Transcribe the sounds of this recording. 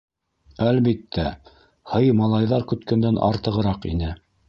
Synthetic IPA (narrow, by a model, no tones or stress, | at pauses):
ælβit̪ːæ | hɤjmɑlˠɑjðɑɾkɵ̆t̪kænd̪ænʔɑ̰ɾt̪ɤ̆ʁɤ̆ɾɑqḭnɘ